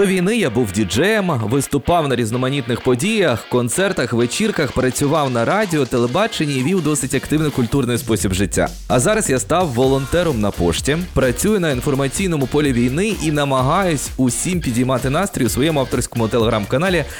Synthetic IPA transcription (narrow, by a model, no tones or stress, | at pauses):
d̪ɔʋʲijnɪjabuwdʲid͡ʒɛjɛmʋɪst̪ʊpɑwnɐɾʲiznɔmɐnʲit̪nɪxpɔdʲijɐxkɔnt̪sɛrt̪ɐxʋet͡ʃirkɐxpɾɐt͡sʲʊʋɑwnɐɾɑdʲɪɔt̪elˠebɑt͡ʃenʲiːʋʲiwd̪ɔsɪtʲɐkt̪ɪwnɛkʊlʲt̪urnɔjʊspɔsʲibʒɪtʲːa̰ | ɐzɑɾɐsjast̪ɑwːɔlˠɔnt̪ɛɾɔmnɐpɔʃtʲipɾɐt͡sʲujʊnɐinfɔrmɐt͡sʲijnɔmʊpɔlʲiʋʲijnɪʔinɐmɐɦɑjʊsʲʊsʲimpʲidʲijmɑt̪ɪnɑst̪ɾʲɔjʊsʋɔjɛmʊɑwt̪ɔrsʲkɔmʊt̪elˠeɦɾɑmkɐnɑlʲi